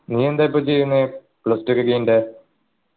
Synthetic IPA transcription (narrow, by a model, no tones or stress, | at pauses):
niːend̪aːjip̬ːoːt͡ɕe̞junːɨ | pɭɐstikːɨɡɐjinɖe